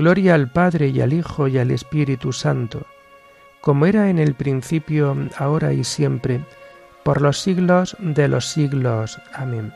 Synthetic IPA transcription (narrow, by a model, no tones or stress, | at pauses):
ɡlo̞ɾjaːlpaðɾe̞ja̰lixo̞jale̞̰spiɾit̪usant̪o | ko̞moe̞ɾaene̞lpɾin̟θipjoao̞ɾaisje̞mpɾe̞ | po̞ɾlo̞sːiɣlo̞zd̪e̞lʔo̞sːiɣlo̞samẽn